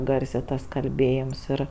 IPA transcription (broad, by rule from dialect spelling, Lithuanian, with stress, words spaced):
ˈɡɐrʲsʲeː ˈtɐs kɐlʲˈbʲeːjɪms ˈɪr